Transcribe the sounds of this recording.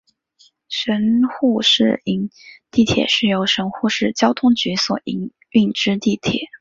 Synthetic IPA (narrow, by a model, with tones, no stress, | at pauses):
ʂə˧˥nxu˥˧ʂɻ̩˥˩i˧˥˩ŋt̪i˥˩t̪ʰjɛ̰˨˩˦ʂɻ̩˥˩jo˧˥ʊʂə˧˥nxu˥˧ʂɻ̩˥˩t͡ɕjɑ˥ʊt̪ʰʊ˥ŋt͡ɕy˧˥swɔ˨˩i˧˥ŋ | y˥˩ŋʈ͡ʂɻ̩˥t̪i˥˩t̪ʰjɛ̰˨˩˦